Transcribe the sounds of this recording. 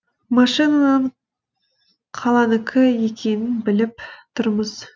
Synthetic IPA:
mɑʃinanəɴ | qʰɑlˠɑnəkʲʰɪje̞kʲʰe̞nɪnbɪlɪp̚t̪ʰʊɾməz̥

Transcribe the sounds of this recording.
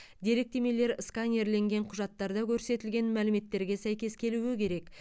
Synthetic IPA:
d̪e̞ɾe̞k̚t̪e̞me̞le̞ɾskɑnʲeɾle̞ŋɡʲe̞ɴqʰʊʒɑt̪ːɑɾd̪ɑkʲʰɵɾse̞t̪ɪlɡʲe̞nmælɪme̞t̪ːe̞ɾɡʲe̞sæjkʲe̞skʲʰe̞luwɪkʲʰe̞ɾe̞k

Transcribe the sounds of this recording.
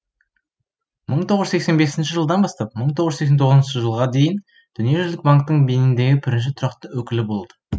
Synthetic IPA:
məɴt̪ʰo̞ʁəzekse̞nbe̞sɪnʃɪʒəlˠd̪ɑnbɑst̪ɑp̚məɴt̪ʰoʁəe̞kset̪ʰoʁznʃɪʒəlˠʁɑd̪e̞jɪn | d̪̥ʏnije̞ʒʏzlɪk̚baŋk̚t̪əɴbenɪnd̪e̞ɡʲɪbɪɾɪnʃ̬ɪt̪ʰɾɑqt̪əwɵkʲɪlɪbo̞lˠd̪ə̥

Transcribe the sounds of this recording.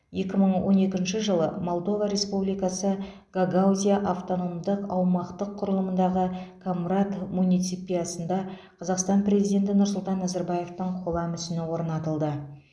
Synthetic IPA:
je̞kʲɪməɴwo̞̰ne̞kʲɪnʃɪʒəlˠəmolˠd̪o̞vaɾe̞spublijkɑsə | ɡ̥aɡawzʲijaʔaft̪o̞no̞md̪əqɑwmɑqt̪əqʰːʊɾəlˠəmənd̪ɑʁəkʰomrat̪munijt̪sipʲijɑsənd̪ɑ | qʰɑzɑqst̪ɑnpre̞zijd̪ʲe̞nt̪̬ɪnʊɾsʊlˠt̪ɑnːɑzaɾbɑje̞ft̪əɴqʰolˠɑmʏsɪnɪwo̞ɾnɑt̪əlˠd̪ə

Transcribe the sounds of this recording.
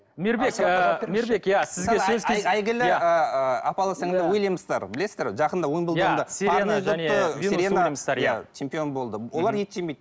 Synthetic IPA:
meɾbekəmeɾbekjasɪzsɡesɵzʲʰeæjɡʲɪlɪəəɑpɑlˠɑsɑŋzd̪ɑwojlˠejməzt̪ɑɾbɪlesɪzd̪eɾʒɑqənd̪ɑwojmbəlˠj̪nd̪əseaəʁoəseɾʲenamɑɾjat͡ʃʰe̞mpijo̞nbo̞lˠd̪əwo̞lˠɑɾje̞t̪ʒemejd̪̚

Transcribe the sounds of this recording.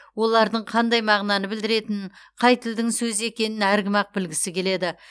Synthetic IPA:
wo̞lˠɑɾd̪əɴqʰɑnd̪ɑjmɑʁnɑnəbɪld̪ɪɾe̞t̪ɪnqʰɑjt̪ɪld̪ɪŋsɵze̞kʲe̞nɪnæɾɡʲɪmɑq̚bɪlɡʲɪsɪkʲʰe̞le̞d̪ɪ

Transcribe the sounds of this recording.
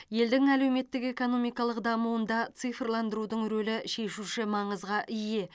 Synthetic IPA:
je̞ld̪ɪŋælewme̞t̪ːɪke̞ko̞no̞mijkɑlˠəqd̪ɑmuənd̪ɑt̪sɨjfrlˠɑnd̪əɾud̪əɴɾɵlɪʃe̞ʃuʃɪmɑɴəzʁɑʔɪje̞

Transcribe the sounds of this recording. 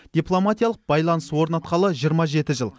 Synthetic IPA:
d̪̥ijplˠo̞mat̪ijalˠəq̚b̥ɑjlˠɑnəswo̞ɾnɑt̪qɑlˠəʒijəɾmɑʒe̞t̪ɪʒəlˠ

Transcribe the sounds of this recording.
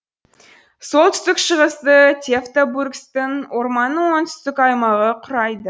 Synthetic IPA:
so̞lˠt̪ʰʏ̥st̪ɪkʃəʁəst̪ət̪ʲʰeft̪oburkst̪ɪŋwoɾmɑnːəɴwo̞nt̪ʰʏ̥st̪ɪkɑjmɑʁəqʰʊɾɑjd̪ə

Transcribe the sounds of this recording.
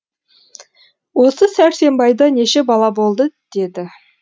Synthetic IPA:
wo̞səsæɾse̞mbɑjd̪ɑne̞ʃe̞bɑlˠɑbo̞lˠd̪əd̪̥e̞d̪ɪ

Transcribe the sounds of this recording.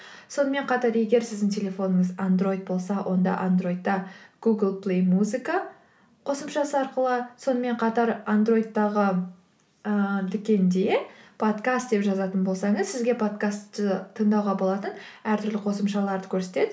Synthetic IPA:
so̞nəme̞ɴqʰɑt̪ɑɾe̞ɡʲe̞ɾsɪzd̪ɪŋt̪ʲʰe̞lʲe̞fo̞nəŋəzand̪ɾo̞jd̪̚bo̞lˠsɑwʔo̞̰nd̪ɑ̰ʔand̪ro̞jd̪ːɑɡ̥uɡəlˠplˠejmuzika | qʰo̞səmʃɑsəɑɾqəlˠəso̞nəme̞ɴqʰɑt̪ɑɾand̪ro̞jd̪ːɑʁə | əd̪ʏkʲe̞nd̪e̞pʰo̞t̪kast̪̚d̪e̞pʒɑzɑt̪ənbo̞lˠsɑɴəzsɪzɡʲe̞pʰo̞t̪kast̪ːət̪ʰəɴd̪ɑwʁɑbo̞lˠɑt̪ənæɾt̪ʰʏɾlɪqʰo̞səmʃɑlˠɑɾd̪əkʲʰɵɾse̞t̪e̞d̪ɪ

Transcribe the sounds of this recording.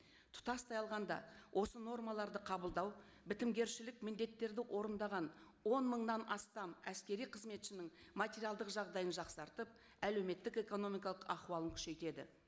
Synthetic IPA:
t̪ʰʊ̥t̪ɑst̪ʰɑjɑlˠʁɑnd̪ɑ̰wʔo̞səno̞rmɑlˠɑɾd̪əqʰɑbəlˠd̪ɑw | bɪt̪ɪmɡʲe̞ɾʃɪlɪkmɪnd̪e̞t̪ːe̞ɾd̪ɪʔo̞ɾənd̪ɑʁɑn | wo̞nməɴnɑnɑst̪ɑmæskʲe̞ɾijqʰəzme̞t̪ʃɪnɪŋmat̪ʲe̞ɾijɑlˠd̪əqʒɑʁd̪ɑjənʒɑqsɑɾt̪əp̚ | æle̞wme̞t̪ːɪke̞ko̞no̞mijkɑlˠəqɑquwɑlˠəŋkʲʰʏ̥ʃe̞jt̪e̞d̪ɪ̰

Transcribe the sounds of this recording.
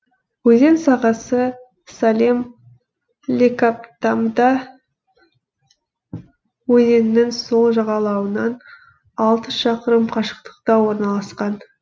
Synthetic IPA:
wɵze̞nsɑʁɑsə | salʲim | lʲekapt̪amd̪ɑ | wɵze̞nnɪŋso̞lˠʒɑʁɑlˠɑwənɑn | ɑlˠt̪əʃɑqəɾəmqʰɑʃə̥qt̪ə̥qt̪ɑwo̞ɾnɑlˠɑsqɑn

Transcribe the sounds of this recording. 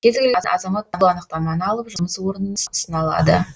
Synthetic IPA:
kʲʰe̞zɡʲɪlʔɑzɑmɑt̪̚ːɑɑnəqt̪ɑmɑnəɑlˠəpʒʊməswo̞ɾənənəssənɑlˠɑ̰d̪ə̰

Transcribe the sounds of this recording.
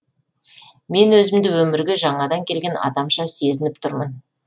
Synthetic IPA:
me̞nwɵzɪmd̪ɪwɵmɪɾɡʲeʒɑɴɑd̪ɑŋkʲʰe̞lɡʲe̞nɑ̰d̪ɑmʃɑse̞zɪnɪp̚t̪ʰʊɾmən

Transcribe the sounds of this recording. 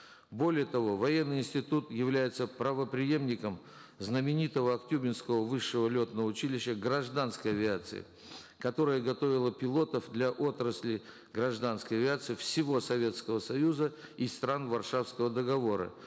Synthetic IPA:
bo̞lʲɪjət̪ɐvo̞vɐjenːɨjɪnsʲtʲɪt̪ut̪jɪvlʲæjɪt̪səpɾəvəpɾʲɪje̞mnʲɪkəm | znəmʲɪnʲit̪əvəɐkt̪ʲubʲɪnskəvəvɨʂːɨvəlʲo̞t̪nəvəʊt͡ɕilʲɪɕːəɡɾɐʐd̪anskəjɐvʲɪat̪sɨ̰ɪ̰ | kɐt̪o̞ɾəjəɡɐt̪o̞vʲɪlˠəpʲɪlˠo̞t̪əfd̪lʲaʔo̞t̪ɾəsʲlʲɪ | ɡɾɐʐd̪anskəjɐvʲɪat̪sɨɪfsʲɪvo̞sɐvʲe̞t̪skəvəsɐjuzəist̪ɾanvɐrʂafskəvəd̪əɡɐvo̞ɾə̰

